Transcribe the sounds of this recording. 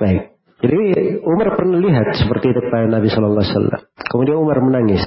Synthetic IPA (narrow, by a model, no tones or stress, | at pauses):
baɪk̚ | d͡ʒadiumarpərnaliɦat̪̚sə̥pərt̪iːt̪ʊkəpaanabisɔlɔlˠːɑsa̰lːa̰mkəmudianumarmənaŋɪs